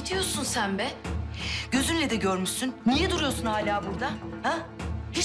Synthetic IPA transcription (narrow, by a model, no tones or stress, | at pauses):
it̪ʰijo̞ɾsunsænbɛɟ̥ø̞zynlʲɛd̪ɛɟøɾmyʃsynːijɛd̪uɾujo̞ɾsunhaːlʲaːbuɾd̪ahahi